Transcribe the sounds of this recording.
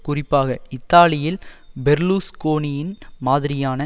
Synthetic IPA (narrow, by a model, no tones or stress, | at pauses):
kʊrɪpːaːɣɐɪt̪ːaːlɪjɪlbɛɾluːskoːnɪjɪnmaːðɪɾɪjaːnɐ